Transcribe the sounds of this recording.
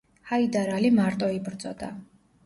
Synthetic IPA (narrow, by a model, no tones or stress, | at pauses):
haid̪aɾalimaɾt̪ʼɔibɾd̪zʼɔ̰d̪a